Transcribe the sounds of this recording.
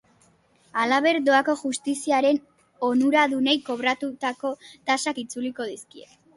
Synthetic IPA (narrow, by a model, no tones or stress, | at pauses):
alaβe̞ɾd̪o̞ako̞ʝust̪isiaɾe̞n | o̞nuɾaðune̞jko̞βɾat̪ut̪ako̞t̪asakit͡suliko̞ðiskie̞̰